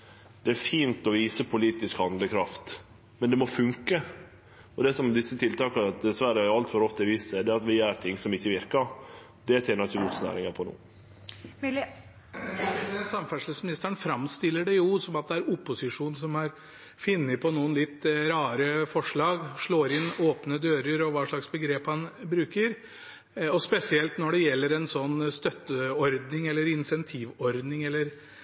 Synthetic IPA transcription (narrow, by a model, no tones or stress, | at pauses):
d̪̥ɛæɾfiːnt̪ɔʋiːsəpʰʊliːt̪ɪskhɑnd̪ləkʰɾɑft̪ | mɛnd̪ɛmɔfʉŋkə | ɔd̪ɛsɔmd̪ɪsːət̪ʰɪlt̪ɑːkənɑt̪̚d̪ɛsʋæɾəhɑɾɑlt̪fɔɾɔft̪əʋiːsɛd̪ɛɑt̪ʋɪjæɾt̪ʰɪŋːsɔmɪçːəʋɪɾkəɾ | d̪̥ɛt̪ʰeːnɑɾɪçəɡɔt̪snæ̰ːɾɪŋɑpʰɔnṵː | d̪ɛnsɑmfæʂɭəsmɪnɪst̪əɾəɳnfɾɑmːst̪ɪlːəɖɛjʊsɔmɑt̪̚d̪ɛæɾʊpːʊsɪʂuːnsɔmæɾ | fɪnːɪpʰɔnuːənlɪt̪ːɾɑːɾəfɔʂɭɑːɡʂɭoːɾɪnːoːpnəd̪øːɾəɾɔʋɑːʂɭɑksbəɡɾeːphɑnbɾʉːkəɾ | ɔspɛsɪɛlt̪nɔɖɛjɛlːəɾɛnsɔnːst̪œt̪ːəɔɾd̪nɪŋɛlːəɾɪnsɛnt̪ʰiːʋɔɾd̪nɪŋɛlːəɾ